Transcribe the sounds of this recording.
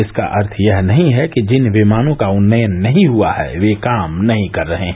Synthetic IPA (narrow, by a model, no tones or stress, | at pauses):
ɪska̰ʔɐɾt̪ʰjɐɦnɐɦĩɦɛkid͡ʒɪnʋɪmaːnõkaʊnːəjənːɐɦĩɦuaɦɛ̰ʋekaːmnɐɦĩkɐɾːɐɦẽ